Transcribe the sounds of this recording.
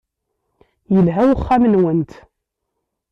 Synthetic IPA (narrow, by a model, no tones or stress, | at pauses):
jəlɦæwəχːamənwənt̪